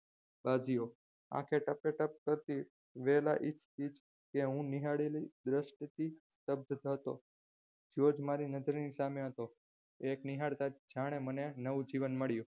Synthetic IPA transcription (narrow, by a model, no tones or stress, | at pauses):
bad͡ʒijo | ã̰kʰeʈəpeʈəp̚kəɾt̪i | ʋɛlaʔit͡ʃʰpit͡ʃ | keɦũniɦaɽelid̪ɾəʃʈt̪ist̪əb̚d̪ʱt̪ɦət̪o̰ | d͡ʒeod͡ʒmaɾinəd͡ʒəɾnisameɦət̪o | ekniɦaɽt̪ad͡ʒaɽ̃emənenəʋũd͡ʒiʋənməɽju